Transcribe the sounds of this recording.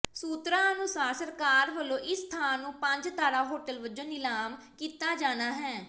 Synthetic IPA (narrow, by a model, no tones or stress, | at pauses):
suːt̪ɾãːənʊsaːɾsəɾkaːɾʋəlõːʔɪst̪ʰaːnːũːpəɲd͡ʒt̪aːɽaːɦoːʈəlʋəd͡ʒõːnɪlaːm | kiːt̪aːd͡ʒaːnaːɦɛː